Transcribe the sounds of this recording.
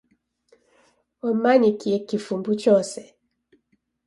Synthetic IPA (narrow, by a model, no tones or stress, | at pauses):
ɔmanikiekifumbut͡ʃɔsɛ